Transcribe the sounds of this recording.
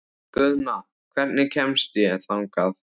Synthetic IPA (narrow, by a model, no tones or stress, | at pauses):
kʏðma | kʰvɛɾt̪nɪcʰɛmst̪jɛθawŋkað